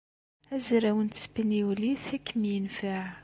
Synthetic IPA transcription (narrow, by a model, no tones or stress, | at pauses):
æzɾæwənt̪sbəniwliθækːəmjənfaʕ